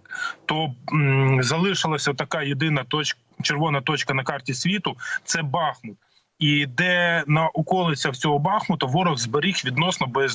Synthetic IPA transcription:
t̪ɔ | zɐlˠɪʃɪlˠɐsʲɐt̪ɐkɑjed̪ɪnɐt̪ɔt͡ʃ | t͡ʃeɾʋɔnɐt̪ɔt͡ʃkɐnɐkɑrtʲisʲʋʲit̪ʊt̪sɛbɑxmʊt̪̚ | id̪ɛnɐʔʊkɔlˠɪt͡sʲɐwt͡sʲɔɦɔbɑxmʊt̪ɐʋɔɾɔɣzbɐɾʲixʋʲid̪nɔsnɔbɔjɐz

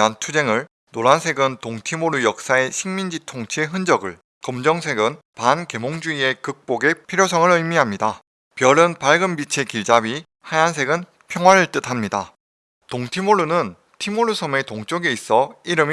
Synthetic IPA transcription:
antʰud͡ʑe̞ŋɯɭ | noɾansʰe̞ɡɯntoŋtʰimoɾujʌk̚s͈ae̞ɕʰiŋmind͡ʑitʰoŋt͡ɕʰieɦɯnd͡ʑʌɡɯɭ | kʌmd͡ʑʌŋsʰe̞ɡɯn | panke̞moŋd͡ʑuie̞kɯk̚p͈oɡe̞pʰiɾjosʰʌŋɯɾɯjmiɦamɲida | pjʌɾɯnpaɭɡɯmbit͡ɕʰe̞kiɭd͡ʑabi | hajans̬ʰe̞ɡɯn | pʰjʌŋwaɾɯɭt͈ɯtʰamɲida | toŋtʰimoɭunɯn | tʰimoɭːusʰʌme̞toŋt͡ɕ͈oɡeis͈ʌiɾɯm

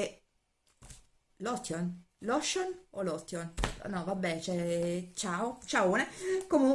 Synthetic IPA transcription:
lɔt̪ːjon | lɔʃːonolɔt̪ːjon̰nɔvabːɛt͡ʃɛt͡ʃaːot͡ʃauːnekomu

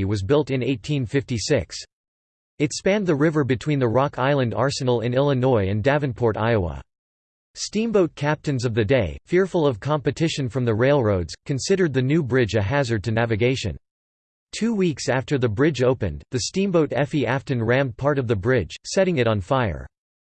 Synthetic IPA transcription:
wʌzbɪlˠtɨ̃neɪtʰĩnfɪftisɪks | ɨtspæ̃nðɨɹɪvə˞bɨtʰw̥ĩnðɨɹɑkʰaɪlˠə̃ndɑ̰ɹsɨnl̩ˠɨ̰̃nɪlˠənɔɪɨ̃ndævɨ̃npʰɔɹɾa̰ɪoʊə̰ | stĩmboʊt̚kʰæp̚tɨ̃nzʌvðɨdeɪfɪɹfl̩ˠʌv̥kʰɑ̃mpɨtʰɪʃɨ̃nfɹʌ̃mðɨɹeɪlˠɹoʊdz̥kʰɨ̃nsɪɾə˞d̪̚ðɨnʉbɹɪd͡ʒɨɦæzə˞d̚tʰɨnævɨɡeɪʃɨ̰̃n | tʰʉwiksæftə˞ðɨbɹɪd͡ʒoʊpɨ̰̃nðɨstĩmboʊɾɛfiæftɨ̃nɹæ̃m̚pʰɑɹɾʌvðɨbɹɪd̥ʒ̥sɛɾɪ̃ŋɨɾn̩faɪə̰˞

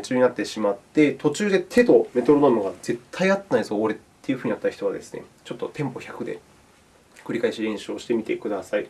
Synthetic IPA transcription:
t͡ɕɨːɲ̟inat̪ːe̞ɕimat̪ːe̞t̪o̞t͡ɕɨːd̪e̞t̪ʰe̞t̪o̞me̞t̪o̞ɾo̞nomɯ̟ɡaze̞t̪ʰːaiat̪ːenaizoːɾe̞t̪ʰːe̞jɯ̟ɸɯ̟ɲ̟inat̪ːaçi̥t̪o̞βa̰d̪e̞̰sɨ̥ne̞̰t͡ɕo̞t̪ːo̞t̪ẽ̞mpo̞çakɯ̟d̪e̞̰ | kɯ̟ɾʲikaeɕiɾẽ̞ɰ̃ɕɨoɕi̥t̪e̞mʲit̪e̞kɯ̟d̪asai

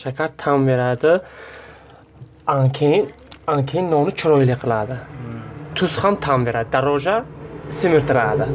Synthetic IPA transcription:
ʃakʰaɾt̪ʰamveɾad̪ɨ | aŋkʰen | aŋkʰenːɔnɨt͡ʃʰiɾɔjleqʰəlad̪ɨ | t̪ʰusχamt̪ʰambeɾad̪d̪aɾɔd͡ʒasemiɾt̪ʰɨɾad̪ɨ

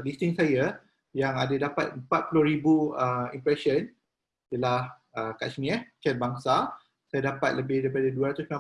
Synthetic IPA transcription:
list̪iŋsaja | jaŋadadapat̪̚əmpat̪̚pulohɾibuəimpɾɛsən | jəlahəka̰smĩət͡ʃɛn̚baŋsa | sajadapat̪̚ləbɪhdajpadaduaɾat̪ʊskã

